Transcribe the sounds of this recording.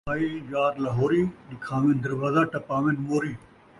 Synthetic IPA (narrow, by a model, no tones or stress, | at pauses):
aːid͡ʒaːɾlɐɦoːɾiːɗɪkʰãːʋẽnd̪ɐɾʋaːzaːʈɐpaːʋẽnmoːɾiː